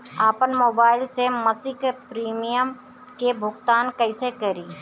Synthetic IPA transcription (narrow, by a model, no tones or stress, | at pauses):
aːpənmoːbaːɪlseməsɪkpɾiːmijəm | kebʱʊɡt̪aːnkəɪsekəɾiː